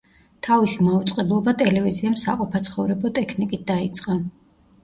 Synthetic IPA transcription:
t̪ʰavisimaut̪sʼqʼɛblˠɔbat̪ʼɛlɛviziamsa̰qʼɔpʰat̪sʰχɔvɾɛbɔt̪ʼɛkʰnikʼit̪̚d̪ait̪sʼqʼa

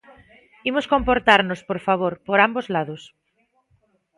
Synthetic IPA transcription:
imosko̞mpoɾt̪aɾnospoɾfaβ̞oɾpoɾambozlað̞os

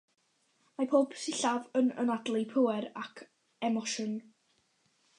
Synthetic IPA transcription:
mapʰoːbsɪɬavənə̰nadlˠipʰəwɛɾakʰ | ɛmɔʃən

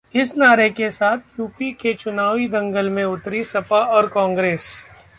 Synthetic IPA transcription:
ɪsnaːɾekesaːt̪ʰjuːpiket͡ʃʊnaːʋid̪ɐ̃ŋɡəlmẽʊt̪ɾisɐpaɔːɾkɔ̃ːŋɡɾeːs

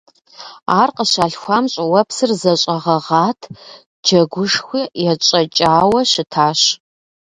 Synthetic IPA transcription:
aːrqəɕaːɬxʷaːmɕʼwɐpsɨrzɐɕʼɐʁɐʁaːtʰ | d͡ʒɐɡʷʊʂxʷiːjɛt͡ʃʼɐt͡ʃʼaːwɐɕɪtʰaːɕ

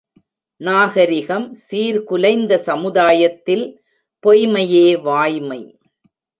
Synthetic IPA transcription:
naːɣɐɾɪɣɐmsiːɾkʊlɐɪnd̪ɐsɐmɯðaːjɐt̪ːɪl | pɔjmɐjeːʋaːjmɐɪ

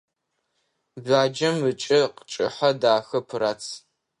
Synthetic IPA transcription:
baːd͡ʒɐmɨt͡ʃʼɪqət͡ʃʼɪħɐdaːxɐpʰɨɾaːt͡sʰ

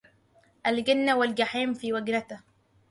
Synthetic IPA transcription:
ʔalɡɪnːawald͡ʒaħiːmfiːwaɡnat̪a

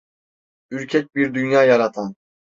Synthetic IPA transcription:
yɾcʰɛc̚ʲbiɾd̪ynjaːjɑɾat̪ʰan

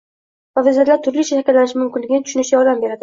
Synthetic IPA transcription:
vavɪzalaɾt̪ʰʊɾliʃʰat̪ʰakʰʲalːanɪʃmʊmkʲɪnlɪɡʲɪnɪt̪ʰʊ̥ʃʊnɪʃʲjɒɾd̪ambe̞ɾad̪ɪ

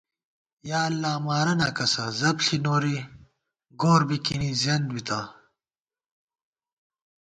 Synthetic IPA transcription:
jaːɐlːaːmaːɾɐnaːkɐsɐzɐbɬinoːɾi | ɡoːɾbikinizɐnd̪wit̪aː

